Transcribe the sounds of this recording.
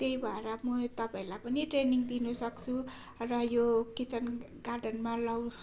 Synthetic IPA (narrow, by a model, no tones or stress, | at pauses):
t̪eibʱaeɾamʌt̪ʌpãĩlajpʌniʈreniŋd̪inusʌkt͡sʰu | rʌjokit͡sʌn | ɡarɖʌnmalʌw